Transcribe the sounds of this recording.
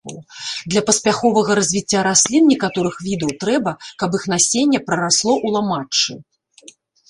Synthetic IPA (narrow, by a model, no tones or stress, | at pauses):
d̪lʲɐpɐsʲpʲaxɔvɐɣɐɾɐzʲvʲit͡sʲːaɾasʲlʲinnʲikat̪ɔɾɨxvʲid̪ɐwt̪ɾɛbɐkɐpixnasʲenʲːɛpɾɐɾaslˠɔʔulˠamat͡ʂːɨ̰